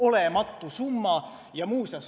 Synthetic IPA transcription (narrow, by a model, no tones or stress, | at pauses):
olemɑt̪ːusumːɑ | jɑmuːsɑs